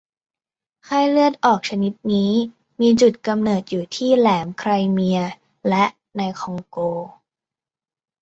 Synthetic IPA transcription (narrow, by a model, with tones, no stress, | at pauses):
kʰaː˥˩jlɯ˥˩ət̪̚ʔɔː˨˩k̚t͡ɕʰa˧ni˦˥t̪̚niː˦˥ | miː˧t͡ɕu˨˩t̪̚ka˧mnɤː˨˩t̪̚juː˨˩t̪ʰiː˥˩lɛː˩˦mkʰɾa˧jmi˧ɐ | lɛ˦˥ʔ | na˧jkʰɔ˧ŋkoː˧